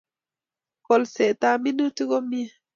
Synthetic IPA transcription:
kɔlsɛt̪aminutuɡɔmia

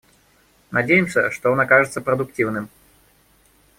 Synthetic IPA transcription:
nɐdʲejɪmsʲəʂt̪oonakaʐɨt̪səpɾəd̪ʊktʲivnɨm

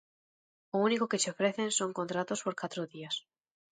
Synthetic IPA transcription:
ounikoke̞seofɾe̞θenso̞ŋko̞nt̪ɾat̪o̞spo̞ɾkat̪ɾoðias

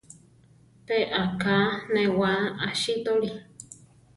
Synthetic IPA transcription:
peʔakanẽwaʔaʃit̪oɾi

